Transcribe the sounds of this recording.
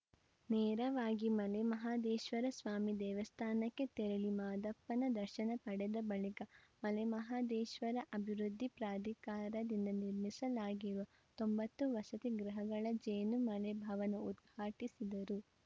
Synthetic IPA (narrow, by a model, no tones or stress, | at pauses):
nɛːɾɐʋaːɡimɐlɛmɐɦaːd̪ɛːʃʋɐɾɐsʋaːmid̪ɛːʋɐst̪ʰaːnɐkːe̞t̪eɾɐɭimaːd̪ɐpːɐnɐd̪ɐɾʃɐnɐpɐɽɛd̪ɐbɐɭikɐmɐlɛmɐɦaːd̪ɛːʃʋɐɾɐʔɐbʱiɾud̪ʱːipɾaːd̪ʱikaːɾɐd̪ind̪ɐniɾmisɐlaːɡiɾuʋɐ | t̪ombɐt̪ːuʋɐsɐt̪iɡɾɐɦɐɡɐɭɐd͡ʒeːnumɐlɛbʱɐʋɐnuud̪ɡʱaːʈisid̪ɐɾu